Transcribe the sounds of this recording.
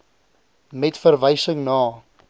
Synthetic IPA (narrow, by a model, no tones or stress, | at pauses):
mɛtfərvəjsəŋnɑː